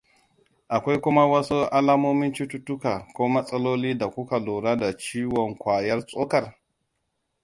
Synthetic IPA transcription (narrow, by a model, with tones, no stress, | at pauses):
ʔa˨kʷa˦jkʷʊ˦ma˦wɐ˦su˦ʔa˦laː˦moː˦mɪ˦nt͡ʃi˦tu˦tʊ˦ka˨kʷoː˦mɐ˦sʼɐ˦loː˦liː˦da˨kʷu˦ka˨loː˨ɾa˦da˨t͡ʃiː˦wɔ˨ŋkʷaː˨jɐ˦rt͡sʼo˦kɐ˨r